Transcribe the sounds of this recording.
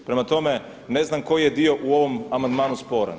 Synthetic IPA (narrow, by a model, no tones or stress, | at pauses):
pɾe̞mat̪o̞me | ne̞znamko̞jjed̪io̞ʔuo̞ʋomamand̪maːnuspo̞ɾa̰n